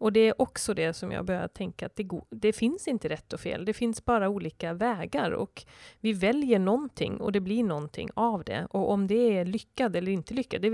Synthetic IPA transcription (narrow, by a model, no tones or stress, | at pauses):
ɔd̪ɛæɾʔɔksɔd̪ɛsɔmjɑ̰ːɡbœɾja̰t̪ʰɛŋka̰ːt̪̚d̪ɛɡd̪ɛfɪnsɪnt̪əɾɛt̪ːɔfḛːld̪ɛfɪnsbɑːɾauːliːkavɛːɡaɾɔ̰kvɪvɛljəɳɔnt̪ʰɪ̰ŋːɔ̰d̪ɛbliɳɔnt̪ʰɪ̰ŋːavd̪ɛ̰ʔɔʔɔmd̪ɛæɭʏkːad̪ɛlːəɾɪnt̪əlʏkːad̪ɛ